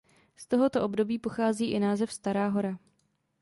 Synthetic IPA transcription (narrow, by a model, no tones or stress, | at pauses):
st̪o̞ɦo̞t̪o̞ʔobdo̞biːpo̞xaːziːʔɪnaːzɛfst̪aɾaːɦo̞ɾa